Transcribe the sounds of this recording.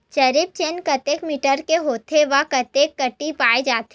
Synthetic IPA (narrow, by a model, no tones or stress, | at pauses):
t͡ʃɐɾɪp̚t͡ʃenkɐt̪eːkmiʈəɾkeɦoːt̪ʰeʋakɐt̪eːkːɐʈːipaːed͡ʒaːt̪ʰ